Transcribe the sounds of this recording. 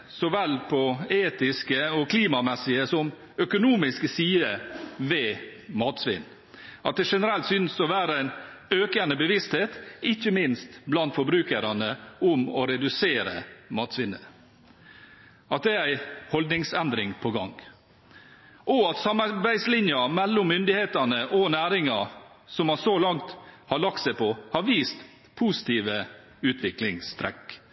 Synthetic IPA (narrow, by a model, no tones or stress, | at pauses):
sɔʋɛlːpʰɔeːt̪ɪskəɔkʰliːmɑmɛsɪəsɔm | œkʊnuːmɪsksiːəʋɛmɑːt̪sʋɪ̰nː | ʔɑt̪̚d̪ɛʂɛnəɾɛlt̪sʏnsɔʋæːɾəæɪnøːkənəbəʋɪst̪heːt̪ɪçːəmɪnst̪blɑnt̪fɔɾbɾʉːkəɾɑnəʊmɔɾɛd̪ʉseːɾə̰mɑːt̪sʋɪnːə̰ | ɑt̪̚d̪ɛæɾæɪhɔld̪nɪŋsɛnd̪ɾɪŋpʰɔɡɑ̰ŋ | ʔɔɑt̪sɑmɑɾbæɪslɪnjɑmɛlːʊmːʏnd̪ɪheːt̪ɑnəʔɔnæːɾɪŋɑ | sɔmɑsolɑŋt̪hɑɭɑk̚t̪sæɪpʰɔhɑɾʋiːst̪ | pʰuːsɪ̥t̪ʰiːʋə | ʉːt̪ʰʋɪklɪŋst̪ʰɾɛ̰k